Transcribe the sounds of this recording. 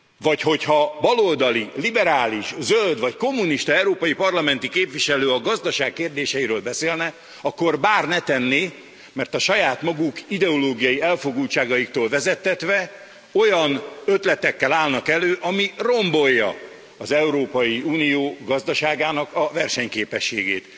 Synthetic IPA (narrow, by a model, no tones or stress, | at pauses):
vɒcho̞chɒbɒlold̪ɒlilibɛɾaːliʃzøld̪ʋɒcko̞mːuniʃt̪ɒɛuɾoːpɒjipɒrlɒmɛn̪t̪ikeːpviʃɛløːɒɡɒzd̪ɒʃaːkːeːrd̪eːʃɛjiɾøːlbɛseːlnɛ | ɒkːo̞rbaːrnɛt̪ɛnːeː | mɛrt̪ɒʃɒjaːt̪mɒɡukid̪ɛoloːɡijɒjiɛlfo̞ɡult͡ʃaːɡɒjikt̪oːlvɛzɛt̪ːɛt̪ʋɛ | o̞jɒnø̞t̪lɛt̪ɛkːɛlaːlnɒkɛløːʔɒmiro̞mbo̞jːɒ̰ː | zɛuɾoːpɒjiuːnijoːɡɒzd̪ɒʃaːɡaːnɒkɒvɛrʃɛɲkeːpɛʃːeːɡḛːt̪